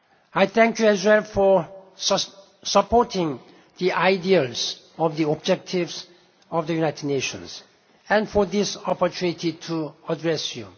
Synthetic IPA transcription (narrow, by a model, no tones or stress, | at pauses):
ajθɛ̃ŋkjuɛzwɛlfɔ | səpɔtʰɪ̃ŋ | ðiʔaɪdiəlz | ɔvðiɔb̚d͡ʒɛk̚tʰɪvz | ɔvd̪əjunaɪtʰɪdneʃə̰̃ns | ɛ̃nfɔðɪsɔpətʰjunitʰitʰuədɹɛsjṵ